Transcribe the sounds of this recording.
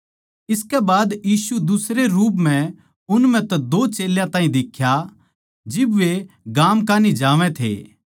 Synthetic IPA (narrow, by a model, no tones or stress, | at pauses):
ɪskɛbaːd̪jiːsud̪ʊsɾeɾuːp̬mɛ̃ | ʊnm̤ɛ̃t̪ɛd̪oːt͡ʃeːljãt̪ãːĩd̪ɪkʰːja | d͡ʒɪbʋeɡaːmkaːnid͡ʒaːʋɛ̃t̪ʰḛ